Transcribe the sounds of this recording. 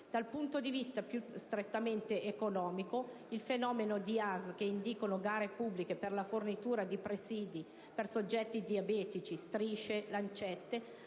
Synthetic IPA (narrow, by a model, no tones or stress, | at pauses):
d̪̥alpunt̪od̪ivist̪apjust̪ɾet̪ːament̪eʔːkonɔːmiko | ilfenɔːmenod̪iazk̟eind̪ikonoɡaːɾepubːlikeperlafornit̪uːɾad̪ipɾesiːd̪i | persod͡ʒːɛt̪ːid̪iabɛːt̪it͡ʃist̪ɾiːʃelant͡ʃɛt̪ːe